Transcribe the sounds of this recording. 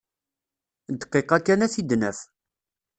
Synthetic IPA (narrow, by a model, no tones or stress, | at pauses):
d̪qːeqækːænæθid̪nəf